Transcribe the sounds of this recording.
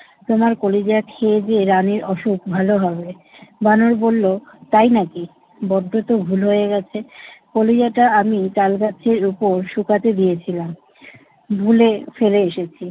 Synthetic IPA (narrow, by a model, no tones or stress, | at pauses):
t̪omaɾkolid͡ʑakʰed͡ʑeɾaniɾɔʃukbʱaloɦɔbe | banoɾbolːot̪ajnaki | bɔɖʱːot̪obʱulɦoeɡɛt͡ɕʰekolid͡ʑaʈaamit͡ɕalɡat͡ɕʰeɾupoɾʃukat̪ed̪iet͡ɕʰilam | bʱulefeleeʃet͡ɕʰi